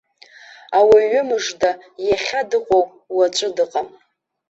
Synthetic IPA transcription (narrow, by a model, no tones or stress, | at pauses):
awaɥʏmɨʐdajaχʲadɨqʷʼow | wat͡ʃʷʼɨdɨqʼam